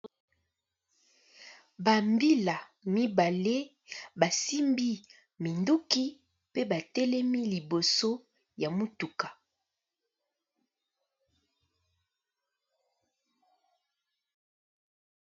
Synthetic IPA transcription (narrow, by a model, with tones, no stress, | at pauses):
ba˨mbi˦la˨ | mi˦ba˨le˦ | ba˨si˦mbi˦ | mi˨ndu˦ki˦ | pe˦ba˨tɛ˦lɛ˦mi˦li˨bo˨so˦ | ja˨mu˦tu˨ka˨